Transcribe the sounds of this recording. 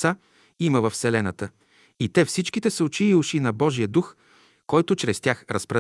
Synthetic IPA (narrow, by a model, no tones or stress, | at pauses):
a | iməvəfsɛlɛnət̪ə | it̪ɛfsit͡ʃkit̪ɛsʊt͡ʃiːʊʃinɐbɔʒijəd̪ux | kɔjt̪ʊt͡ʃɾɛst̪ʲjaxɾəspɾɐ